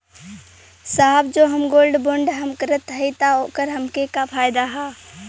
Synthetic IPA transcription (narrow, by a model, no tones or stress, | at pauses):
saːbd͡ʒoːɦəmɡoːlɖbõɳɖɦəmkəɾət̪ɦəit̪aoːkəɾɦəmkekapʰaːjd̪aɦɛː